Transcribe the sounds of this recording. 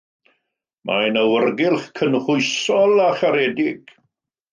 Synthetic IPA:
mʔajnəwərɡɪlˠχkʰənχʊɨsɔlˠaχaɾɛdɪɡ̥

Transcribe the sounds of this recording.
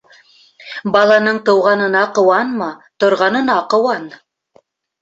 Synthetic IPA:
bɑlˠɑnɤɴt̪ɤ̆wʁɑnɤ̆nɑqɤ̆wɑnmɑt̪ŏɾʁɑnɤ̆nɑqɤ̆wɑn

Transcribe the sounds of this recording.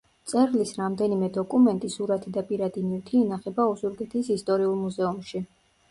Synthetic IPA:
t̪sʼɛɾlisɾamd̪ɛnimɛd̪ɔkʼumɛnt̪ʼisuɾat̪ʰid̪apʼiɾad̪inift̪ʰiːnaχɛbaɔzuɾɡɛt̪ʰisist̪ʼɔɾiulˠmuzɛumʃi

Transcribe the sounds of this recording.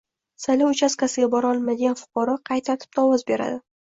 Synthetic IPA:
salʲaʊt͡ʃʰaskʲasɪɡʲabɒɾɒlˠmad̪ɪɡʲanfʊ̥qɒɾɒqʰɑjt̪ʰat̪ʰɪ̥p̚d̪aɒːwɒzbe̞ɾa̰d̪ɪ

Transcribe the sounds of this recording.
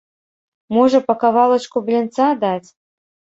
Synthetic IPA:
mɔʐɐpɐkavalˠɐt͡ʂkublʲint̪sad̪at͡sʲ

